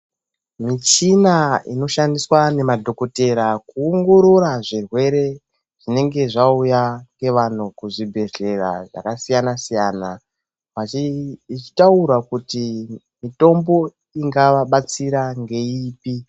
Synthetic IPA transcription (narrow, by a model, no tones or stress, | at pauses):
mit͡ʃinaino̞ʃandiswane̞madʱo̞ko̞te̞ɾakuːŋɡoɾoɾaʐirwe̞ɾe̞ | ʐ̥ine̞ŋɡe̞ʐaujaŋɡe̞ʋan̤ukuʐibʱe̞ɮe̞ra̰ʐa̰kasijanasijaːna | ʋait͡ʃi̥tauɾakuti | mito̞mbo̞ | iŋɡaʋaɓat͡siɾaŋɡe̞iːpi